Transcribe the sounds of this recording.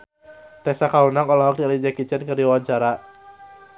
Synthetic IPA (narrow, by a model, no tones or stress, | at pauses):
t̪ɛsakaunaŋɔlɔɦɔk̚dilid͡ʒakit͡ʃənkərdiwaaɲt͡ʃaɾa